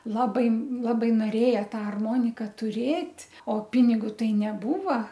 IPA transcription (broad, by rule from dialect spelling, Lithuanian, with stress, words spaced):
ˈlˠɑːbɐɪ ˈlˠɑːbɐɪ noːˈrʲeːjɛ ˈtɑː ɐrˈmoːnʲɪkɐ tʊˈrʲeːtʲ oː ˈpʲɪnʲɪɡʊ ˈtɐɪ nʲɛˈbuːʋɐ